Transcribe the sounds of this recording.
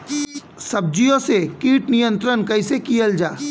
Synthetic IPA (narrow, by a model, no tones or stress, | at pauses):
sɐb̚d͡ʒijõsekiːʈnijə̃nt̪ɾənkɐɪsekijəld͡ʒaː